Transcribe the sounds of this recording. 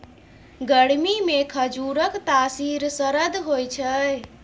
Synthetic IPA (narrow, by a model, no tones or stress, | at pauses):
ɡəɽmimekʰəd͡ʒuɾəkt̪asiɾsəɾəd̪ɦojt͡ʃʰəj